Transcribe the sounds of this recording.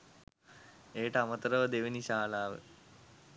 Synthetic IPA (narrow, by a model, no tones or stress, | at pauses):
eːʈɐmɐt̪ɾəʋd̪eʋiniɕaːlaːʋḛ